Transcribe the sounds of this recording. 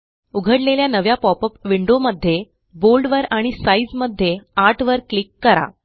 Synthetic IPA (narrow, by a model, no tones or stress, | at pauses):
uɡʱəɽleljanəʋjapɔpəpʋiɳɖoməd̪ʱːje | bolɖʋəɾaɽ̃isaid͡zməd̪ʱːjeaʈʰʋəɾklikːəɾa̰